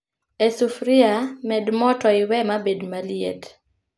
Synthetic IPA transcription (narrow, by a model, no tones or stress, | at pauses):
ɛsufɾiamɛdmɔtɔɪwɛmabedmaliḛt